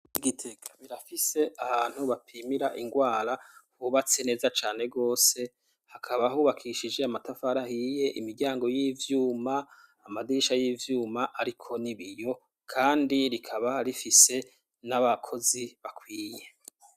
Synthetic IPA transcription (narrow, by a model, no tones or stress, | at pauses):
iɡitʰe̞kʰḁβiɾafise̞ʔaβaːn̥huβapʰimiɾaʔiŋɡwaːɾahuβat͡se̞ne̞ːzat͡ʃaːne̞ɡo̞ːse̞ | hakʰaβahuːβakʰiʃid͡ʒeamatafaɾahiːje̞ʔimiɡɟaːŋɡo̞jiːvjuːmaː | madiʃajiːvjuːmaʔaɾikʰo̞niβijo̞ | kʰaːndiɾikʰaβahaɾifise̞ | naβakʰo̞ziβakwiːje̞